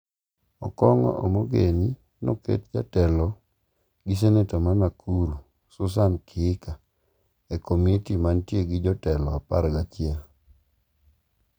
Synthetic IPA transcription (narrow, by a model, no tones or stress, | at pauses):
ɔ̰kɔŋɔ̰ʔomoɡeni | no̰kḛt̚d͡ʒatɛlɔ | ɡis̬enetomanakʰuɾu | sʊs̬ankʰɪɪka | ɛkomitimantjeɡɪd͡ʒɔtɛlɔapa̰ɾɡat͡ʃɪɛl